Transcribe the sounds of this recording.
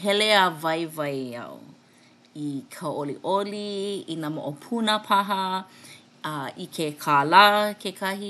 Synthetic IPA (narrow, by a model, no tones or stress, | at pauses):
ɦɛleavɐjvɐjɐ̰w | ikʰɐwoliʔoliinamo̰ʔopʰunəpʰɐɦɐ | ikʰekʰalakʰekʰɐɦi